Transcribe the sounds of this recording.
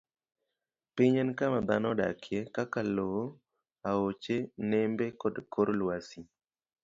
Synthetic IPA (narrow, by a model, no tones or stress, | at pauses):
pɪɲɛnkamad̪anɔɗa̰kʰjekakaloo | aot͡ʃenɛmbekɔdkoɾlwasi